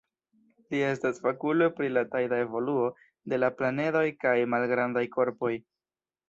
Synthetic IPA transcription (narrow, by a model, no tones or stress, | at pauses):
lie̞stasfakulopɾilatajdae̞vo̞luo̞ | de̞laplane̞do̞jkajmalɡɾandajko̞ɾpo̞j